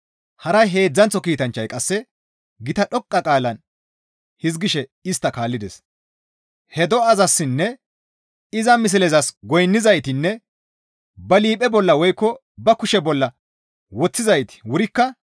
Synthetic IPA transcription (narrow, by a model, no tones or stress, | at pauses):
hɐɾɐjɦe̞ːd͡zːɐnt͡sːɔkiːt̪ɐnt͡ʃːɐjkʼɐsːɛ | ɡɪt̪ɐɗɔkʼːɐkʼaːlɐn | hɪz̬ɡɪʃɛɪst̪ːɐkaːlːɪd̪ɛs | hɛd̪ɔɐzɐsːɪnːɛ | ɪzɐmɪs̬ɪlɛzɐsɡɔjnːɪzɐjt̪ɪnːɛ | bɐliːpʼɛbɔlːɐwɔjkːɔ | bɐkʊʃɛbɔlːɐ | wɔt͡sːɪzɐjt̪ɪ̥wʊɾɪkːɐ